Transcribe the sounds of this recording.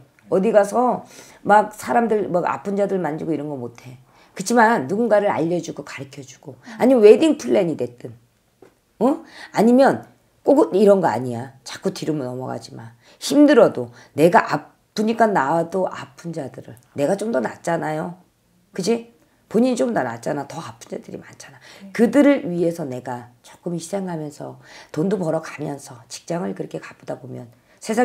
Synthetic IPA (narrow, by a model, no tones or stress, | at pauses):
ʌdiɡasʰʌ | mak̚sʰaɾamdɯɭmaɡa̰pʰɯnd͡ʑadɯɭmand͡ʑiɡoiɾʌnɡʌmotʰe̞ | kɯt͡ɕʰimanːuɡunɡaɾɯɾa̰ʎːʌd͡ʑuɡokḁɾɯkʰjʌd͡ʑu̥ɡ̥oaɲimnwe̞diŋpʰuɭːeɲidwe̞t͈ɯn | ʌaɲimjʌn | k͈oɡiɾʌnɡʌa̰ɲijat͡ɕḁk͈utiɾɯmɯnʌmʌ̰ɡa̰d͡ʑiman | çimdɯɾʌdo | ne̞ɡaʔa | p͈ːuɲik͈anːadoʔapʰund͡ʑadɯɾɯɭne̞ɡat͡ɕomdʌna̰t͡ɕ͈anajo | kɯd͡ʑi | poɲiɲit͡ɕomnanat͡ɕ͈anatʌapʰund͡ʑadɯɾḭmant͡ɕʰḁnakɯdɯɾɯɭɥie̞sʰʌne̞ɡat͡ɕo̥k͈ɯmçi̥sʰeŋɦamjʌnsʰʌtondubʌɾʌkamjʌnsʰʌt͡ɕi̥k̚t͡ɕ͈aŋɯɭkɯɾʌkʰe̞kḁp͈odabomjʌn | sʰe̞sʰa